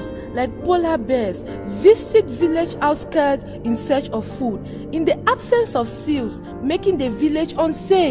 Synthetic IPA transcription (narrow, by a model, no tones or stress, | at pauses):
s | laɪk̚polabɛs | visikviled͡ʒawtskɛd | ĩnsɛt͡ʃɔffud | ĩndiʔabsɛ̃nsɔfsils | mekĩŋdeviled͡ʒɔ̃nse